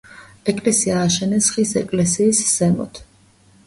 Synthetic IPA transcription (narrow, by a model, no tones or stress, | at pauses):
ɛkʼlɛsiaːʃɛnɛsχisɛkʼlɛsiːsːɛmɔ̰t̪ʰ